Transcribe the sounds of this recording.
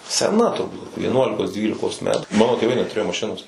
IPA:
sʲɛˈnɐ tʊrˈbuːt ʋʲiɛˈnuɔlʲɪkoːs ˈdʲʋʲiːlʲɪkoːs ˈmʲæːtuː ˈmɑːnoː tʲeːˈʋɐɪ nʲɛtʊˈrʲeːjoː mɐˈʃʲɪnoːs

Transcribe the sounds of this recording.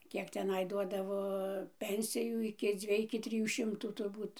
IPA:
ˈkʲiɛk tʲɛˈnɐɪ ˈduɔdɐʋoː ˈpʲɛnʲsʲɪjuː ɪkʲɪ ˈd͡zʲʋʲiɛj ɪkʲɪ ˈtʲrʲɪjuː ˈʃʲɪmtuː tʊrˈbuːt

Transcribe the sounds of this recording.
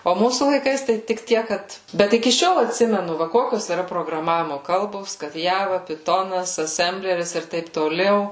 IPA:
oː ˈmuːsuː lˠɐɪˈkɐɪs ˈtɐɪ tʲɪk ˈtʲiɛk ˈkɐt ˈbʲɛt ɪkʲɪ ˈʃʲoːlˠ ɐtʲˈsʲɪmʲɛnʊ ˈʋɐ ˈkoːkʲoːs iːˈrɐ proːɡrɐˈmɑːʋʲɪmoː ˈkɐlˠboːs kɐt ˈjæːʋɐ pʲɪˈtoːnɐs ɐˈsʲɛmʲbʲlʲɛrʲɪs ɪr ˈtɐɪp toːˈlʲɛʊ

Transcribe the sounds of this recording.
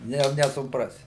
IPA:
ˈnʲɛ jɛʊ nʲɛsʊˈprɑːsʲɪ

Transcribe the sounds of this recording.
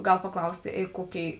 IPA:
ˈɡɐlˠ pɐˈklˠɐʊsʲtʲeː ˈeː ˈkoːˌkʲeːɪ

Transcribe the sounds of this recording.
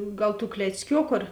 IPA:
ˈɡɐlˠ tuː klʲɛt͡sʲˈkʲoːkʊ ɐr

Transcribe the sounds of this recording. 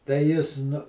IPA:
tɐɪ ˈjɪs ˈnʊ

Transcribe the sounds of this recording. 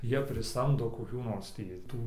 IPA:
ˈjiɛ pʲrʲɪˈsɐmdoː koːˈkʲuː noːrs ˈtʲiː ˈtuː

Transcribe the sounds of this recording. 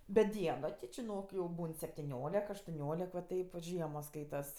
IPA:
bʲɛt ˈdʲiɛnoː tʲɪ t͡ʃʲɪˈnoːk jɛʊ ˈbuːn sʲɛpʲtʲɪˈnʲoːlʲɛk ɐʃtʊˈnʲoːlʲɛk ʋɐ ˈtɐɪp ʋɐt ˈʒʲiɛmoːs ˈskɐɪtɐs

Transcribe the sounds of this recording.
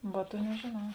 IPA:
ˈʋɐ ˈtuɔ nʲɛʒʲeːˈnɐʊ

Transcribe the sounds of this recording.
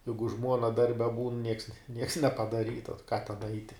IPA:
ˈjɛɪɡʊ ˈʒmuɔnɐ ˈdɐrʲbʲɛ buːn nʲiɛks nʲiɛks nʲɛpɐdɐˈrʲiːtɐ tɐɪ kɑː tʲɛn ˈɐɪtʲɪ

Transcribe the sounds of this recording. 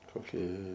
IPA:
koːˈkʲiɛ

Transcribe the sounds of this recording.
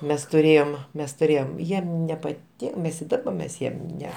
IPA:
ˈmʲɛs tʊˈrʲeːjoːm ˈmʲɛs tʊˈrʲeːjoːm ˈjiɛm nʲɛpɐˈtʲɪn ˈmʲɛs ɪ ˈdɑːbɐ ˈmʲɛs ˈjiɛm ˈnʲɛ

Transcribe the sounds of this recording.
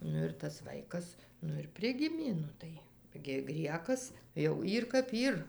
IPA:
ˈnʊ ɪr tɐs ˈʋɐɪkɐs ˈnʊ ɪr ˈpʲrʲɪɡʲɪmʲeː ˈnʊ tɐɪ ɡʲɪ ˈɡrʲiɛkɐs jɛʊ ˈiːr kɐp ˈiːr

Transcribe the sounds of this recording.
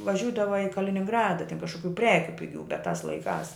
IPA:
ʋɐˈʒʲuːdɐʋɐ ɪ kɐlʲɪnʲɪŋˈɡrɑːdɐ tʲɪn kɐʃkʊˈkʲuː ˈpʲrʲæːkʲʊ pʲɪˈɡʲuː bʲɛt tɐs lˠɐɪˈkɑːs

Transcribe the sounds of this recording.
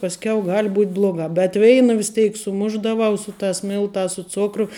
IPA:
pɐsʲˈkʲɛʊ ˈɡɐlʲ ˈbuːt ˈblˠoːɡɑː bʲɛt ˈʋʲɛɪnɐ ʋʲɪs ˈtʲɛɪk sʊˈmʊʒdɐʋɐʊ ˈsʊ ˌtɑːs ˈmʲɪlˠtɑːs sʊ ˈt͡sʊkrʊ

